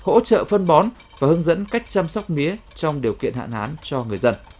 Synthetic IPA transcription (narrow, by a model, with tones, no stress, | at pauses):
ho̰˧˥t͡ɕə̰ː˧˨fə˧nɓɔ˨˦n | vaː˨˩hɨ˨˧˦ŋzə̰˧˥nka˦˥jk̚t͡ɕaː˧msa˦˥wk͡p̚mi˨˦ət͡ɕɔ˧wŋ͡mɗi˨˩əwkḭ˧˨ənha̰ː˧˨nhaː˨˦nt͡ɕɔ˧ŋɨ˨˩əjzə˧n